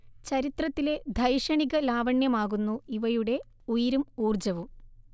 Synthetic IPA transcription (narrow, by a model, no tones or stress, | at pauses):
t͡ɕɐɾit̪rɐt̪ːile̞d̪ʱɐjʂɐɳiɣɐlaːʋɐɳjɐmaːɣunːuiʋɐjuɽe̞ | ujiɾumuːrd͡ʑɐʋum